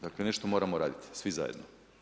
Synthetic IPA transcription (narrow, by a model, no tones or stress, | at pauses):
d̪aklene̞ʃt̪omo̞ːɾamoɾaːd̪it̪i̥sʋiza̰jed̪no